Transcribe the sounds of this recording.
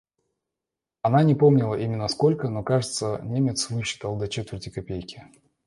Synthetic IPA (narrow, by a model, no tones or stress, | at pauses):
ɐnanʲɪpo̞mnʲɪlˠəʔimʲɪnːəsko̞lʲkəno̞kaʐɨt̪sənʲemʲɪt̪svɨɕːɪ̥t̪əlˠd̪ɐt͡ɕet̪vʲɪrtʲɪkɐpʲejkʲɪ̥